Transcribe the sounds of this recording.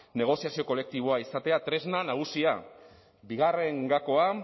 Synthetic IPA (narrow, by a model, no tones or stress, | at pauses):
ne̞ɣ̞o̞siasio̞ko̞le̞k̚t̪iβ̞o̞aisat̪e̞at̪ɾe̞znanaɣ̞usia | biɣ̞are̞ŋɡako̞a